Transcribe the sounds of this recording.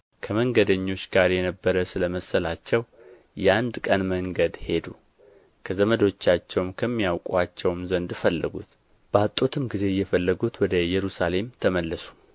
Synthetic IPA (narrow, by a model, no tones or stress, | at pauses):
kʰəməŋɡəd̪əɲːo̞t͡ʃːɡ̥aɾjɛnəbːəɾəsɨləməsəlat͡ʃːɛw | jɛand̪kʼənməŋɡəd̪he̞d̪u | kʰəzəməd̪o̞t͡ʃːat͡ʃːɛwmkʰəmːijawkʼuat͡ʃːɛwmzənd̪ɨfəlːəɡṵt̪ | b̥əat̪ʼːot̪ʰɨmɡize̞jːɛfəlːəɡut̪wɔd̪əjɛɾusale̞mt̪ʰəməlːəsu̥